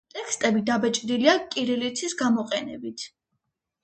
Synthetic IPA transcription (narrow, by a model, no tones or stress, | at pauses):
t̪ʼɛkʰst̪ʼɛbid̪abɛt͡ʃʼd̪iliakʼiɾɛlit̪sʰisɡamɔqʼɛnɛbit̪ʰ